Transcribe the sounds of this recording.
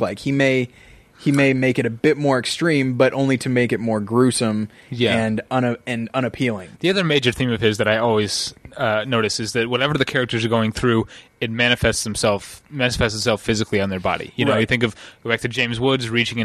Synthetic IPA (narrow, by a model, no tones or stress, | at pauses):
laɪkhimeɪ | himeɪmeɪkɨɾɨbɪt̚mɔɹɨkstɹ̥ĩmbʌɾʔõʊ̃nliɾɨmeɪkɨt̚mɔɹɡɹʉsə̃m | jæɨ̃nʌ̃nɨɨ̃nʌ̃ɾ̃ɨpʰilˠɪ̃ŋðiʌðə˞meɪd͡ʒə˞θĩmʌv̥ɪzðɨɾaɪɔlˠwiz̥ʌnoʊɾɨsɨzðɨt̚wʌɾɛvə˞ðɨkʰɛɹɨk̚tə˞zə˞ɡoʊɪ̃ŋθɹʉɨt̚mænɨfɛstsm̩sɛlˠfmænɨfɛstsɨtsɛlˠfɪzɨkʰliɨ̃nðə˞bɑ̰ɾḭjɨnoʊjɨθɪ̃ŋkʌv̥ɡ̥oʊbæk̚tʰɨd͡ʒẽɪ̃mzwʊdzɹit͡ʃɪ̃ŋɨ̃